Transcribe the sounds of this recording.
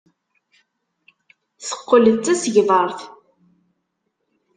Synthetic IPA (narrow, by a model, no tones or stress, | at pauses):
θə̥qːələt͡sːæsəʝðˤɑɾˤθ